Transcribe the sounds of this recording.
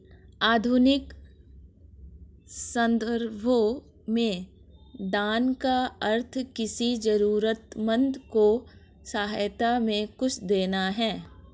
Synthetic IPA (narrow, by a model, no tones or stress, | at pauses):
aːd̪ʱʊnɪk | sə̃nd̪əɾbʱo | mẽ | d̪aːnkaəɾt̪ʰkɪsid͡ʒɐɾuːɾət̪mə̃nd̪ko | saːɦajt̪amẽkʊt͡ʃʰd̪eːnaɦɛː